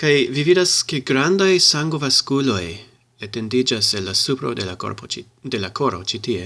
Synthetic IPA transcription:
kajvividaskeɡɾandajsaŋɡovaskulo̞j | ete̞ndid͡ʒaselːasupɾo̰delako̰ɾpo | de̞lako̞ɾo̞̰t͡ʃitie̞

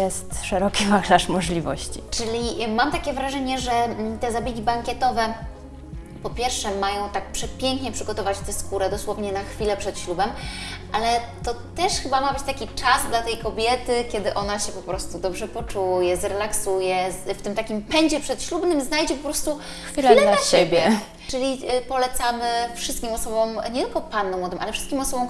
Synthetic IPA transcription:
jɛstt̪ʂɛɾɔkʲimaklaʂmɔʐlʲivɔɕt͡ɕit͡ʂɘlʲimamt̪akʲɛvɾaʐɛɲɛʐɛt̪ɛzabʲjeɡʲibaŋkʲɛt̪ɔvɛ | pɔpʲjɛɾfʂɛmajɔ̃w̃t̪ak̚pʂɛpʲjɛŋkɲɛpʂɘɡɔt̪ɔvat͡ɕt̪ɛskuɾɛd̪ɔswɔvɲɛnaxfʲilɛpʂɛt̪ɕlubɛmʔalɛt̪ɔt̪ɛʂxɘbamabɘt͡ɕt̪akʲit͡ʂazd̪lat̪ɛjkɔbʲjɛt̪ɘkʲɛd̪ɘʔɔnaɕɛpɔpɾɔst̪ud̪ɔbʐɛpɔt͡ʂujɛzɾɛlaksujɛft̪ɘmt̪akʲimpɛɲd͡ʑɛpʂɛt̪ɕlubnɘmznajd͡ʑɛpɔpɾɔst̪u | xfiflɛlaaɕebʲjɛ | t͡ʂɘlʲipɔlɛt̪samɘfʂɘst̪kʲimɔsɔbɔmɲɛt̪ɘlkɔpanːɔmwɔd̪ɨmʔalɛfʂɘ̥st̪kʲimɔsɔbɔ̃w̃

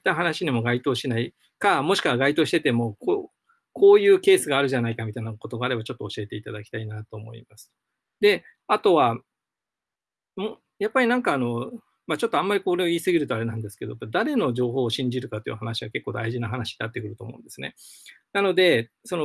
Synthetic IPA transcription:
t̪ːaɦanaɕiɲimoɡait̪o̞ːɕinai | kamo̞ɕi̥kaβaɡait̪o̞ːɕi̥t̪et̪e̞mo̞ko | kʰo̞ːjɯ̟ːke̞ːsɨɡaːɾɯ̟ʑanaikamʲit̪ainako̞t̪o̞ɡaːɾe̞bat͡ɕo̞t̪ːo̞ːɕie̞t̪e̞it̪ad̪akʲi̥t̪ainat̪o̞ːmo̞̰ḭmasɨ̥ | d̪e̞ | at̪o̞βa | mo | japːaɾʲinãŋkaːno̞ | mat͡ɕo̞t̪ːo̞ãmːaɾʲiko̞ɾeoiːsɨɡʲiɾɯ̟t̪o̞aɾe̞nãnd̪esɨ̥ke̞d̪o̞̰bad̪aɾe̞no̞d͡ʑo̞ːɦo̞ːɕĩɲ̟d͡ʑiɾɯ̟kat̪ːojḭhanaɕiβake̞kːo̞ːd̪a̰iʑinaɦanaɕi̥nat̪ːe̞kɯ̟ɾɯ̟t̪o̞ːmo̞̰ɯ̰̃nd̪esɨne̞̰nano̞d̪e̞ | so̞no

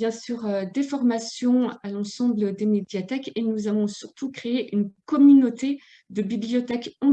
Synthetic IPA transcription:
jɛ̃syʁd̪efɔʁmasjɔ̃alɑ̃sɑ̃bləd̪emed̪jat̪ɛkenuzavɔ̃syʁt̪ukχeeʔynkɔmynot̪e | d̪əbiblijɔt̪ɛkɑ̃

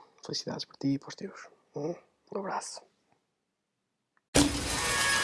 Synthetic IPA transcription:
felisiða̰ðɪʃpɔɾt̪ipɔzd̪ewʃ | ũ | ũɐβɾasʊ̥

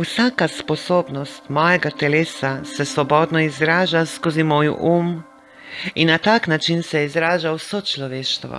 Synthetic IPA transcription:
usaːkasposoːbnɔst̪mɔjeɡat̪ɛleːsasɛsʋobod̪nɔizɾaːʒaskozimoːjṵʔuːm | inat̪aːknat͡ʃinsɛizɾaːʒawsot͡ʃloʋeːʃt̪ʋo̰

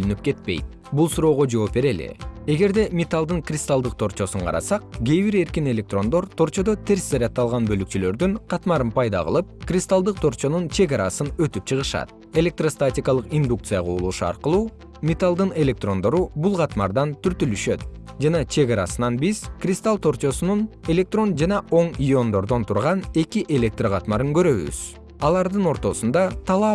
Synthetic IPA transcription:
bølynyp̚ke̞t̪̚pe̞jt̪̚ | bulˠsuɾo̞ːʁo̞d͡ʒo̞ːp̚be̞ɾe̞lḭe̞ɡe̞ɾd̪e̞mʲet̪alˠd̪ɯŋkrʲɪst̪alˠd̪ɯq̚t̪ʰo̞ɾt͡ʃo̞suɴqʰɑ̰ɾɑ̰sɑq̚ɡʲeβiɾe̞ɾkine̞lʲek̚t̪ro̞nd̪o̞ɾt̪ʰo̞ɾt͡ʃo̞d̪ot̪ʰe̞ɾszɑɾʲat̪ːɑlˠʁɑnbø̞lykt͡ʃylø̞ɾd̪yŋqʰɑt̪mɑɾɯnpʰɑjd̪ɑ̰ʁɯ̰lˠɯp̚krʲist̪alˠd̪ɯq̚t̪ʰo̞ɾt͡ʃo̞nunt͡ʃʰe̞ɡaɾɑsɯnø̞t̪yp̚t͡ʃʰɯʁɯʃɑ̰t̪̚ | e̞lʲe̞k̚t̪rost̪atʲɪkɑlˠɯqind̪uk̚t̪sɨjaʁoːlˠuːʃuɑ̰ɾqɯlˠuː | mʲet̪alˠd̪ɯne̞lʲe̞k̚t̪ro̞nd̪o̞ɾubulˠqɑt̪mɑɾd̪ɑnt̪ʰyɾt̪ylyʃø̞t̪̚d͡ʒɑnɑt͡ʃʰe̞ɡɑɾɑ̰sɯnɑnbizkrʲist̪alˠt̪ʰo̞ɾt͡ʃo̞sunune̞lʲe̞k̚t̪ro̞nd͡ʒɑnɑʔo̞ɴijo̞nd̪o̞ɾd̪o̞nt̪ʰuɾʁɑne̞kʲiʔe̞lʲe̞k̚t̪raʁɑt̪mɑɾɯŋɡø̞ɾø̞βy̰z̥ | ɑlˠɑɾd̪ɯno̞ɾt̪o̞sund̪ɑt̪ʰɑlˠɑ

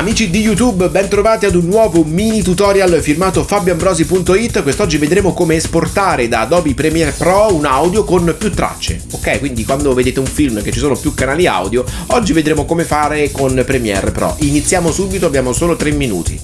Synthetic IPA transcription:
amiːt͡ʃid̪ijut̪̬ubbɛnt̪ɾovaːt̪iad̪unːwɔːvominit̪ut̪ɔɾjalfirmaːt̪ofabjambɾɔːzipunt̪oit̪ːkwest̪ɔd͡ʒːived̪ɾeːmokomeːsport̪aːɾed̪ad̪ɔːbipɾɛmiɛrpɾɔunawd̪jokonpjut̪ːɾa̰t͡ʃːḛokːɛjkwind̪ikwand̪oved̪eːt̪euɱfilmk̟et͡ʃːisoːnopjukːanaːlia̰wd̪jo | ɔd͡ʒːived̪ɾeːmokomefaːɾekonpɾɛmiɛ̰rpɾɔ̰ʔinit̪sːjaːmosubit̪oabːjaːmosoːlot̪ɾemːinṵːt̪ʰḭ

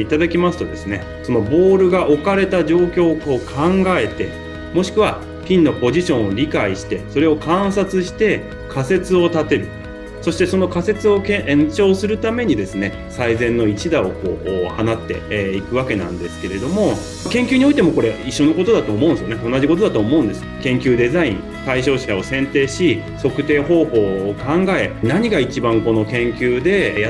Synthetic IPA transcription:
it̪ad̪akʲimasɨ̥t̪o̞d̪e̞sɨne̞ | so̞no̞bo̞ːɾɯ̟ɡaʔo̞kaɾe̞t̪aʑo̞ːkʲo̞ːkoːkʰãŋɡae̞t̪e̞ | mo̞ɕi̥kɯ̟β̞a | pʲĩnːo̞po̞ʑiɕõ̞ɰ̃oɾʲikaiɕi̥t̪e̞so̞ɾe̞o̞kãɰ̃sat͡sɨɕi̥t̪e̞ | kʰase̞t͡sɨo̞t̪at̪e̞ɾɯ̟ | so̞ɕi̥t̪e̞so̞no̞kase̞t͡sɨo̞kẽʔẽɲ̟t͡ɕo̞ːsɨɾɯ̟t̪ame̞ɲ̟id̪e̞sɨne̞ | saizẽ̞nːo̞it͡ɕid̪ao̞ko̞ːʔːhanat̪ːe̞̰ikɯ̟β̞ake̞nã̰nd̪e̞sɨ̥ke̞ɾe̞d̪o̞mo̞ | kẽ̞ŋkʲiɨːɲ̟io̞it̪e̞mo̞ko̞ɾe̞iɕːo̞no̞ko̞t̪o̞d̪at̪oːmõ̞ɯ̃nsɨjoneo̞nːaʑiko̞t̪o̞d̪at̪oːmo̞ɯ̟̃nd̪e̞sɨ̥kẽ̞ŋkʲɨːd̪e̞zaḭ̃ŋ | t̪aiɕo̞ːɕao̞sẽ̞nt̪e̞ːɕi | so̞kɯ̟̥t̪e̞ːho̞ːho̞ːkãŋɡae̞naɲ̟iɡait͡ɕibãŋko̞no̞kẽ̞ŋkʲɨːd̪e̞

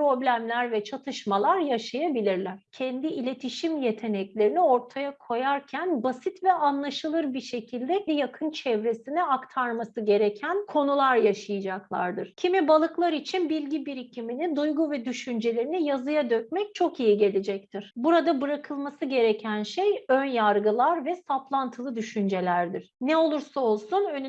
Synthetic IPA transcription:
pɾo̞blʲæmlʲæɾvɛt͡ʃʰat̪ʰɯʃmalˠaɾjaʃajabilʲiɾlʲæɾ̥cʰɛnd̪iːlʲe̞t̪ʰiʃimje̞t̪ʰe̞nɛclʲe̞ɾinio̞ɾt̪ʰajakʰo̞jaɾcʰænbasit̪vɛanlˠaʃɯlˠɯɾbiʃe̞cʰilʲd̪ɛɛjakʰɯnt͡ʃʰɛvɾesiniakt̪ʰaɾmasɯɟe̞ɾecʰænkʰo̞nulˠaɾjaʃajɯd͡ʒaklˠa̰ɾd̪ɯɾ̥cʰimibalˠɯklˠaɾit͡ʃʰinbilʲɟibiɾicʰiminid̪ujɡuvɛd̪yʃynd͡ʒe̞lʲe̞ɾinijazɯjad̪øc̚ʲmɛc̚t͡ʃʰo̞kijiɟe̞lʲed͡ʒɛc̚t̪ʰiɾ̥buɾad̪abɯɾakʰɯlˠmasɯɟe̞ɾecʰænʃejønjaɾɡɯlˠaɾvɛsaplˠant̪ʰɯlˠɯd̪yʃynd͡ʒe̞lʲæɾd̪iɾ̥nɛo̞lˠuɾsao̞lˠsunøn

